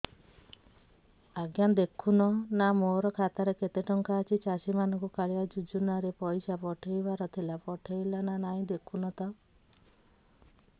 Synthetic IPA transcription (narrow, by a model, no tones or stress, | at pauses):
aɡjand̪ekʰunɔnamoɾɔkʰat̪aɾeket̪eʈɔŋkaːt͡ʃʰit͡ʃasimanɔŋkukaɭiad͡ʒud͡ʒunaɾepɔjsapɔʈʰejbaɾɔt̪ʰilapɔʈʰejlananaĩd̪ekʰunɔt̪ɔ